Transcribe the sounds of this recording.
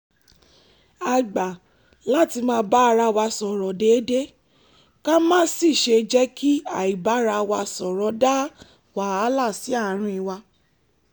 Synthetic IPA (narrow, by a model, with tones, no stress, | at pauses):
a˧ɡ͡ba˨ | la˦ti˧mãː˧˦ba˦a˧ɾa˧wa˧sɔ˨ɾɔ˨de˨˦de˦ | ka˦mãː˦si˦˨ʃe˧d͡ʒɛ˦kʰi˦a˨i˨ba˨˦ɾa˧wa˧sɔ˨ɾɔ˨˦da˦ | wa˨˦a˦la˦˨si˨˦a˦˨ɾ̃ĩ˧i˧wa˧